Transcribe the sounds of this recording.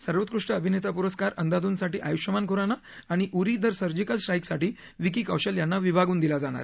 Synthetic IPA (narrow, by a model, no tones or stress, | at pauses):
səɾʋət̪̚kɾuʂʈəːbʱinet̪apuɾəskaɾənd̪ad̪uːnsaʈiːʔajuʂəmankoɾanaː | ɽ̃iʔuɾid̪əɾsəɾd͡ʑikəlsʈɾaiksaʈiː | ʋikikəwɕəljanːaʋibʱaɡuːnd̪ilad͡zaɽ̃a̰ɾ